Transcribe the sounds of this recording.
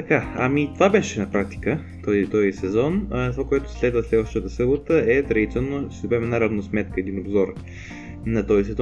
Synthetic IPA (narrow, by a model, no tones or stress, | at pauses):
t̪ɐkaɐmit̪ovabɛʃɛnɐpɾak̚t̪i̥kə | t̪ɔzit̪ɔzisɛzɔnt̪ovakoɛt̪ʊ̥slɛd̪vəslɛd̪vəʃt̪ət̪əsɤbot̪əʔɛt̪ɾɐɡit̪sɛnosiobɛmɛnaɾɐvnosmɛt̪̚kəɛd̪inobzɔɾ | nɐt̪ɔzisɛzɔ